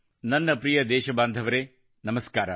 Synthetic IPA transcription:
nɐnːɐpɾijɐd̪eːʃɐbaːnd̪ʱɐʋɐɾeː | nɐmɐskaːɾɐ̰

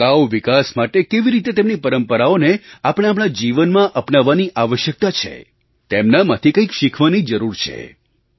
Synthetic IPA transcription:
kaʋʋikasmaʈekeʋiɾit̪et̪emnipəɾəmpəɾaoneapəɽ̃eapɽ̃ad͡ʒiʋənmãʔəpnaʋːaniʔaʋəʃjək̚t̪at͡ʃʰḛ | t̪emnamat̪ʰikə̃ikʃikʰʋanid͡ʒəɾuɾt͡ʃʰḛ

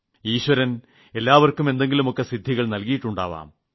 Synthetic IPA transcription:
iːɕʋɐɾɐn | e̞lːaːʋɐrkːume̞nd̪e̞ŋɡilumo̞kːe̞sid̪ʱːiɣɐɭnɐlkijiʈːuɳɖa̰ːʋa̰ːm

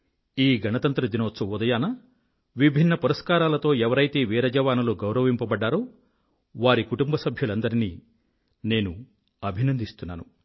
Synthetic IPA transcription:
iːɡʱɐnɐt̪ɐnt̪ɾɐd̪inoːsɐud̪ɐjaːnɐ | ʋibʱinːɐpuɾɐskaːɾaːlɐt̪o̞ːɛʋɐɾɐjt̪e̞ːʋiːɾɐd͡ʒɐʋaːnɐloɡɐwɾɐʋimpɐbɐɖːaːɾoː | ʋaːɾikuʈumbɐsɐbʱjulɐnd̪ɐɾiniː | ne̞ːnu | ɐbʱinɐnd̪ʱist̪unːa̰ːnṵ

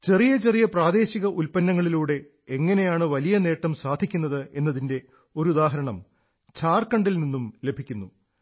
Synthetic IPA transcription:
t͡ɕe̞rijɐt͡ɕe̞rijɐpraːd̪e̞ːɕiɣɐʔulpɐnːɐŋːɐɭiluːɽe̞ | eŋːɐne̞jaːɳɨʋɐlijɐne̞ːʈːɐmsaːd̪ʱikʲːunːɐðɨe̞nːɐðinde̞ | o̞ɾud̪aːɦɐɾɐɳɐm | t͡ɕʰaːrkɐɳɖilninːumle̞bʱikʲːunːu

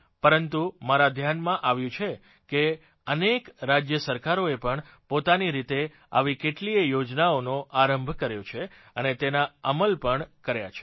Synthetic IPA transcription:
pəɾənt̪umaɾad̪ʱjanmãʔaʋjũt͡ʃʰe | ke | ənekɾad͡ʒjəsəɾkaɾoepəɳ | pot̪aniɾit̪e | a̰ʋikeʈliejod͡ʒnaonoʔaɾəmbʱkəɾjot͡ʃʰe | ənet̪enaəməlpəɳkəɾja̰t͡ʃʰe̥

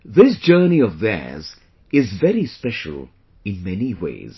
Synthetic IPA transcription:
ðɪs̬d͡ʒɜːniɔvðɛ̰z | ɪzvɛɾispɛʃə̰l̩ˠ | ɪ̃nmɛniwḛɪz̥

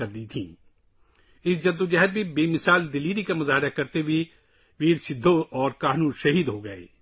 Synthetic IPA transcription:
ɐɾd̪it̪ʰḭ̃ː | ɪsd͡ʒɐd̪ːod͡ʒɛɦəd̪̚bʱibeːmɪsaːld̪ɪliːɾikamʊzaːɦɪɾakɐɾt̪ewʱi | ʋiːɾsɪd̪ʱːoɔːɾkaːɦnuːnʃɐɦiːd̪ɦoɡɐḛː

